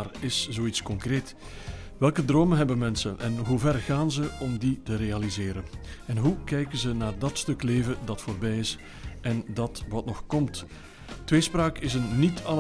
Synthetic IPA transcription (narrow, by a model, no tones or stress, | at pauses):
rɪszoːitskɔŋkreːt | ʋɛlˠkədroːməɦɛbənmɛnsənʔɛnɦuvɛrɣaːnzəɔmditərealizɪːɾənɛnɦukɛjkənzənaːrdɑtstɵkleːvədɑtfoːrbɛjɪs | ɛndɑtʋɑtnɔxkɔmt | tʋeːspraːkɪsənːitɑl